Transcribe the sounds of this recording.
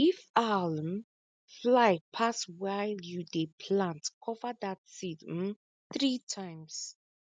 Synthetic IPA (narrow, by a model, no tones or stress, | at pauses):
ifalm | flajpʰaswajljudepʰlãntkʰɔvəd̪atsid̩ | θɹitʰãjms